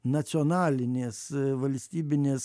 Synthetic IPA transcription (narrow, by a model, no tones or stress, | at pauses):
nɐt̪sʲoːnɑːlʲɪnʲeːsʋɐlʲsʲt̪ʲiːbʲɪnʲeːs